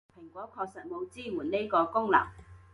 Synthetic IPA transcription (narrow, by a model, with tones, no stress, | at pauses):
pʰɪ˨˩ŋkʷɔː˨˥kʰɔː˧k̚sɐ˨t̚mo˨˧wt͡siː˥muː˨˩nne˥jkɔː˧kʊ˥ŋla̰˨˩ŋ